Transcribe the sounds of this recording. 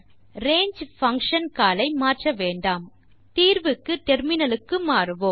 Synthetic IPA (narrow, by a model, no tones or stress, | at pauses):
ɾeːɲd͡ʒfɐŋkʂɐnkaːlɐɪmaːrʈrɐʋeːɳɖaːm | t̪iːɾʋɯkːɯt̪ɛɾmɪnɐlɯkːɯmaːɾɯʋom